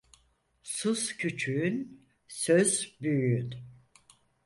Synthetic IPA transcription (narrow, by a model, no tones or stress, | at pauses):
suscʰyt͡ʃʰyːn | søzbyjyyn